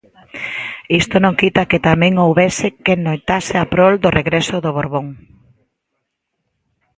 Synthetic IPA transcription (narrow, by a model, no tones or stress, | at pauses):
ist̪onõŋkit̪aket̪amɛ̃ŋowβesɪkenojt̪asɪapɾold̪oreɣɾesoðoβoɾβoŋ